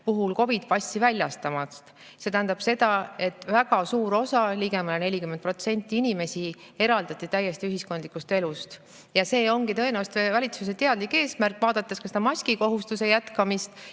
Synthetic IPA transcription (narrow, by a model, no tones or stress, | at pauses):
puɦulko̞vid̪̥̚pɑsʲtːivælʲjɑst̪ɑmɑst̪ | se̞t̪æɦænd̪̥ɑb̥se̞d̪̥ɑe̞t̪ːˑvæɡ̥ɑsuːɾo̞sɑliɡ̥e̞mɑlene̞lʲikyment̪pro̞t̪se̞nʲt̪ːˑiinʲime̞si | e̞ɾɑld̪̥ɑt̪ˑːit̪æjːe̞st̪iyɦisko̞nd̪likːˑust̪e̞lust̪ | jɑse̞ːo̞ŋɡit̪ɤ̞e̞neɑst̪evɑlʲit̪suset̪e̞ɑd̪likːˑe̞ːsmærkːˑvɑːd̪̥ɑt̪ːˑeskɑsed̪ɑmɑsʲkiko̞ɦust̪use̞jæt̪kɑmist̪